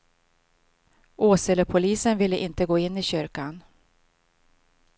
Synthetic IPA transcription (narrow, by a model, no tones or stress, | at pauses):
ʔoːsɛləpʰʊliːsənvɪlːəʔɪnt̪əɡoːɪnːɪɕʏɾkan